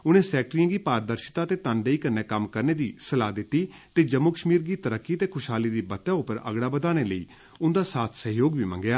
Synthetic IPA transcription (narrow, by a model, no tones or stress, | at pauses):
ʊnẽːsɛːk̚ʈɾiãːɡiːpaːɾd̪əɾʃɪ̥t̪aːt̪eːt̪ənd̪eiːkəɾneːkəmkəɾneːd̪iːsəlaːd̪ɪt̪ːiːt̪eːd͡ʒəmːuːkəʃmiːɾɡiːt̪əɾəkːiːt̪eːkʰʊʃɦaːliːd̪iːbət̪ːɛ̃ːʊpːəɾə̰ɡɽaːbəd̪aːneːləḭː | ʊnd̪aːsaːt̪ʰsəɦjoːɡbiːmə̰̃ŋɡɪjaː